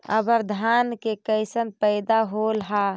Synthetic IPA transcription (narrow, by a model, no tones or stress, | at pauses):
ə̰bəɾd̪ʱaːnkekəɪsənpəɪd̪aɦolɦa